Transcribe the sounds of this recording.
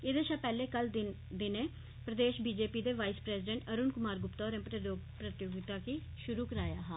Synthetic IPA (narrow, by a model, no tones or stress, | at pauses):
eːd̪eːʃãːpɛːleːkəld̪ɪ | d̪ɪnẽː | pɾəd̪eːʃbiːd͡ʒeːpiːd̪eːʋaːispɾɛːsɪɖɛ̃ɳʈəɾʊːnkʊmaːɾɡʊpt̪aɔːɾɛ̃ːmp̪opɾət̪joːɡɪt̪aːkiː | ʃʊɾuːkəɾaːjaːɦaː